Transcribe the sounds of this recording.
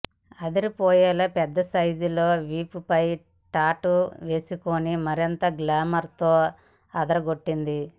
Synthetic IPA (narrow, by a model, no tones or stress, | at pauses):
ɐd̪iɾipɔːjɛːlɐpɛd̪ːɐsɐjd͡ʒulo̞ːʋiːpupɐj | ʈaːʈuʋe̞ːsikoːnimɐɾint̪ɐɡlaːmɐɾt̪oː | ɐd̪ɐɾɐɡoʈːind̪i